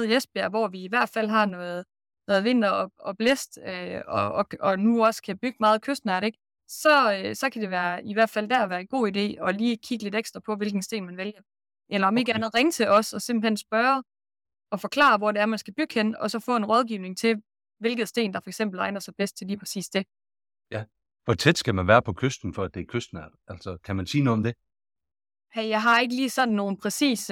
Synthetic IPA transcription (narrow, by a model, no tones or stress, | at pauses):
ð̩ˠesb̥ɐ̰ʋɒʋiːʋæɐ̰d̥fæl̰ɦɑ̈nɔ̽ːð̩ˠ | nɔ̽ːðˠʋe̝n̰d̥ɐɒɒ̽b̥lesd̥øɒɒ̽nuɒ̽skʰæb̥yɡ̥əmɑ̈ːð̞̩ˠkʰøsd̥n̩æɾeɡ̥ | sɒ̽sɒ̽kʰæd̥e̝ʋæːɐiʋæɐ̰d̥fæl̰d̥æɐ̰ɒʋæːɐenɡ̥o̝̰ːide̝̰ːɒ̽liːkʰiɡ̥əle̝ɾ̥eɡ̥sd̥ʁɐpʰɒ̽ʋe̝lɡ̥n̩sd̥e̝̰ːnmænʋeljɐ | ʔelɐɒ̽me̝ɡ̥əænð̞̩ˠʁeŋət͡sʰe̝ʔɒ̽sɒ̽se̝mb̥l̩hen̰sb̥ɶːɐ | ɒ̽fɒ̽kʰlɑ̰̈ːʋɒde̝æɐmænsɡ̥æb̥yɡ̥henɒ̽sɒ̽fɔ̰̽ːe̝nʁɒð̞ˠɡ̥iʊne̝ŋt͡sʰe̝ | ʋe̝lɡ̥ð̩ˠsd̥e̝̰ːnd̥ɑ̈fɒ̽eɡ̥sem̰b̥l̩ɑ̈ɪnɐsɑ̈ɪb̥esd̥̚t͡sʰe̝liːpʰʁɛsḭːsd̥e̝ | j | ʋɒt͡sʰed̥sɡ̥æmænʋæːɐpʰɒ̽kʰøsd̥n̩fɒæd̥e̝kʰøsd̥n̩æ̥ʔæl̰sɒkʰæmænsiːnoð̩ˠɒ̽md̥e̝ | hæjɑ̈ɪɦɑ̈e̝ɡ̥əliːsɒ̽nn̩ːo̝ːn̩pʰʁɛsḭːs